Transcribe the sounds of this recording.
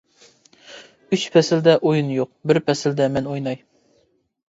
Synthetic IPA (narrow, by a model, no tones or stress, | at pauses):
yt͡ʃpʰɛsɪld̪ɛʔojunjoq̚bɪɾpʰɛsɪld̪ɛmɛnojnɑj